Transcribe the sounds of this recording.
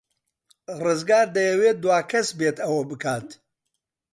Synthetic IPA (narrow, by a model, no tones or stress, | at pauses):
rɨzɡaːɾd̪ɐjɐweːd̪waːkʰɐsbet̪ɐwɐbɨkʰaːt̪